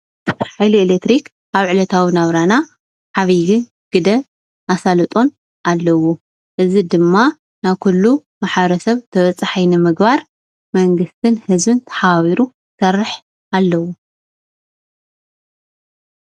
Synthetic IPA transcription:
ħajlielek̚t̪ɾik | ʔaβʕɨlɐt̪ʰawinaβɾana | ħaβiɡɨn | ɡ̥ɨd̪ɐ | ʔasalɨt̪ʼo̞n | ʔalːɐwu | ʔɨzid̪ɨmːa | naβkʰulːumaħβɐɾɐsɐβt̪ʰɐβɐt͡sʼaħajnɨmɨɡbaɾ | mɐŋɡɨst̪ʰɨnhɨzbɨnt̪ʰɐ̥ħaaβiɾu | sɐrːɨħ | alːɐwu

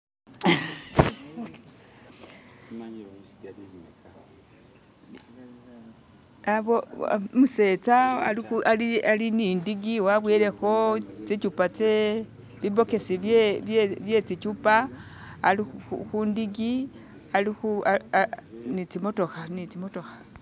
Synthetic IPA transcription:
aβomuse̞t͡saa̰lixualialinindiɡiwaβweːɾe̞xo̞t͡sit͡ʃupat͡se | βibo̞ke̞siβeβeβje̞t͡sit͡ʃupa̰ː | lixundiɡi | alixua | nit͡simo̞to̞xanit͡simo̞to̞xḁ

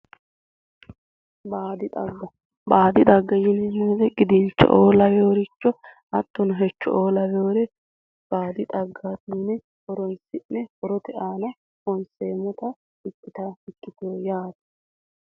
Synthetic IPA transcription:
baːd̪ɪt̪ʼɐɡːɐ | baːd̪ɪd̪ʼɐɡːɐjɪnɛmɛːd̪ɛɡɪd̪ɪnt͡ʃːɔ̰ʔoːlɐjoːɾɪt͡ʃːɔ | ɐt̪ːʊnʊɦɛt͡ʃːɔ̰ʔoːlɐjoːɾɛ | b̥aːd̪ɪt̪ʼɐɡːaːt̪iːnɛ | hɔɾɔnsɪnːɛhɔɾɔt̪ɛaːnɐ | hɔnseːmɔt̪ɐ | ɪkːɪt̪ɐɪkːɪt̪ojaːd̪ɐ

